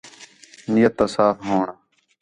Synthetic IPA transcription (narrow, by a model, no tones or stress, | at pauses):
nɪjət̪ːaːsaːfɦoːɳaː